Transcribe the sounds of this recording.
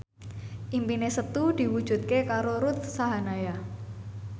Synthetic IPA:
ʔimpinesət̪ud̪̥i̤wud̥ʒ̥ṳt̪̚kekaɾoɾut̪̚saɦanaja

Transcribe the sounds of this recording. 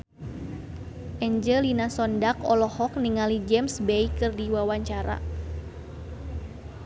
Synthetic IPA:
ʔɛɲd͡ʒəlinasɔndakɔ̰lɔhɔk̚niŋalid͡ʒɛmsbɛikɨrdiwawaɲt͡ʃaɾa̰

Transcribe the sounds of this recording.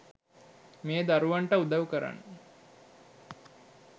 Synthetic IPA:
meed̪aɾuʋaɳʈəud̪aʋukəɾa̰nːə

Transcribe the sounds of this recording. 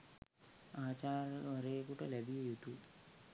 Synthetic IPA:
aːt͡ʃaːɾəɾejkuʈəlæbijejut̪u

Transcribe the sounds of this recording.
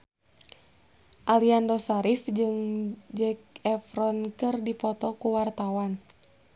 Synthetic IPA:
ʔaliandɔsaɾifd͡ʒɨŋd͡ʒɛk̚ɛfɾɔnkɨrdipɔt̪ɔkuwart̪awan

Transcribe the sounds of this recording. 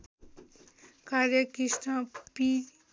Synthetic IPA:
kaɾjəkisʈãpi

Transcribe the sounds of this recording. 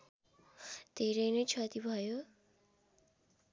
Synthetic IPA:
d̪̥ʱeɾʌjnʌjt͡sʰʌt̪ibʱʌjo

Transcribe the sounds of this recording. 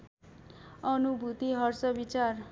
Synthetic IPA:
ʌnubʱut̪iɦʌrsʌbit͡sar

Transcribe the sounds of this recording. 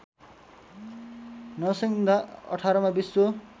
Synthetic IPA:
nʌsʌŋd̪aʌ̰ʈʰaɾʌmabisːo

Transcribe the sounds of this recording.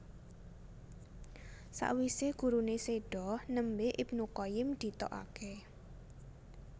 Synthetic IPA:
sa̰ʔwiseɡ̥ṳɾuneseɖ̥ɔhnəmbeʔib̚nukɔjɪmd̪̥i̤t̪ɔ̰ʔa̰ke

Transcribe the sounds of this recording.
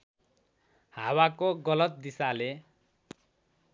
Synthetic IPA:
hawakoɡʌlʌt̪̚d̪isale

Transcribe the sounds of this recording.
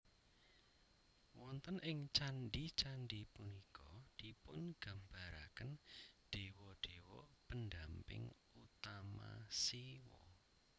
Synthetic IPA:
wɔnt̪ənʔɪŋt͡ʃanɖit͡ʃanɖipunikɔd̪̥ipʊnɡ̥a̤mbaɾakənɖ̥e̤wɔɖ̥ewɔpəndampɪ̰ŋ | ut̪ama̰siwɔ̰

